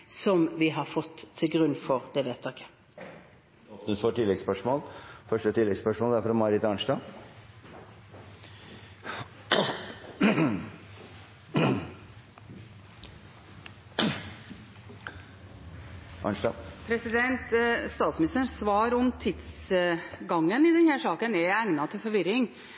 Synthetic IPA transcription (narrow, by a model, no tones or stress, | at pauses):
sɔmʋɪɦɑɾfɔt̪ʰːɪlɡɾʉnːfɔɾd̪ɛʋeːt̪ʰɑːkə̥ | ɔpnəsfɔʈʰɪlːɛɡspœʂmoːlfœʂʈət̪ʰɪlːɛɡspœʂmoːld̪æɾfɾɑmɑɾɪt̪ɑɳʂʈɑ | ʔɑ̰nʂʈɑpʰɾɛsɪd̪ɛnt̪st̪ɑːt̪smɪnɪst̪əsʋɑːɾɔmt̪ʰɪd̪s | ɡɑŋːənɪd̪ɛnhæːʂɑːkənɛæŋnɑt̪ʰɪlfɔɾʋɪɾɪŋ